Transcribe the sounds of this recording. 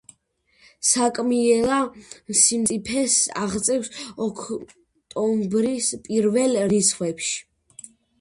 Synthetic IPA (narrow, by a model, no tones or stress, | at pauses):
sakʼmiɛlamsimt̪ʼipʰɛsa̰ʁt̪sʼɛwsɔkʰ | t̪ʼɔmbɾispʼiɾvɛlɾisχwɛpʃi̥